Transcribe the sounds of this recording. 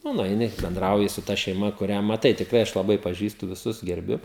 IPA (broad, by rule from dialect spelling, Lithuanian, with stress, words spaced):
ˈnʊ nʊɛɪˈnʲɪ bʲɛnˈdrɐʊjɪ sʊ tɐ ʃʲɛɪˈmɐ kʊˈrʲæː mɐˈtɐɪ tʲɪkˈrɐɪ ˈɐʃ lˠɐˈbɐɪ pɐˈʒʲiːstʊ ʋʲɪˈsʊs ɡʲɛrʲˈbʲʊ